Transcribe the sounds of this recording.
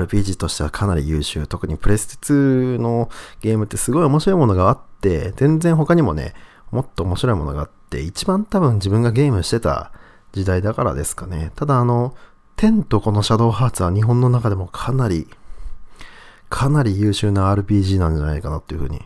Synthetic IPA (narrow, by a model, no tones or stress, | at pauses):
aɾɯ̟pʲiːʑiːt̪o̞ɕi̥t̪e̞βakʰanaɾʲḭjɯːɕɨ̰ːt̪o̞kɯ̟ɲ̟ipɯ̟ɾe̞sɨ̥e̥t͡sɨno̞ɡ̥ʲe̞ːmɯ̟t̪ːe̞sɨɡo̞io̞moɕiɾo̞imo̞no̞ɡaat̪ːe̞̰zẽ̞nd͡zẽ̞ɰ̃ɦo̞kaɲ̟imo̞̰ne̞̰ | mo̞t̪ːo̞ːmo̞ɕiɾo̞imo̞̰no̞ɡa̰at̪ːe̞̰it͡ɕibãnt̪abɯ̟̃ɲ̟d͡ʑibɯ̟̃ŋɡaɡe̞ːmɯ̟ɕi̥t̪e̞t̪a̰ | d͡ʑid̪aid̪akaɾa̰d̪e̞sɨ̥kane̞t̪ad̪aːno̞ | t̪ʰẽ̞nt̪o̞kono̞ɕad̪o̞ːɦaːt͡sɨβaɲ̟iɦõnːo̞nakad̪e̞mo̞kʰanaɾʲi | kʰanaɾʲijɯ̟ːɕɨːnaːɾɯ̟pʲiːʑiːnãɲ̟d͡ʑana̰ikanat̪ːoiɯ̟ɸɯ̟ːɲ̟ḭ